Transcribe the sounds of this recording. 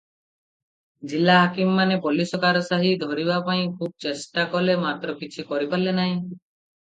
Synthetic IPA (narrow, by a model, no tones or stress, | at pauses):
d͡ʒilaɦakimɔːanepɔlisɔkaɾɔsaɦid̪ʱɔɾibapaĩkʰub̚t͡ʃesʈakɔlemat̪ɾɔkit͡ʃʰikɔɾipalenaɦĩ